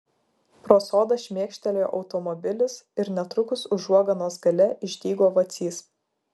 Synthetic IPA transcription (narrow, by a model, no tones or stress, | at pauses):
pɾoːsoːd̪ɐʃʲmʲeɛkʃʲt̪ʲɛlʲejo̰ːʔɒʊt̪ɔmɔbʲɪlʲɪsɪɾnʲɛt̪ɾʊkʊsʊʒuɔɡɐnoːsɡɐlʲɛʔɪʒʲd̪ʲiːɡoːʋɐt̪sʲiːs